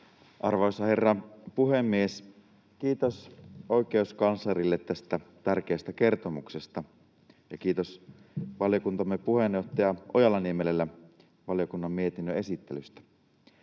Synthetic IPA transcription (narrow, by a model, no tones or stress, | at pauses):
ʔɑrʋɑosɑhe̞rːɑpuhemːies | kiːt̪osoike̞uskɑnslɑrilːet̪ːæst̪æt̪ærkeæst̪æke̞rt̪omuksest̪ɑ | jɑkiːt̪osʋɑljokunt̪ɑmːepuhenjo̞ht̪ɑjɑojɑlːɑniemelelːæ | ʋɑljokunːɑmːiet̪inːøe̞sit̪ːelyst̪æ̥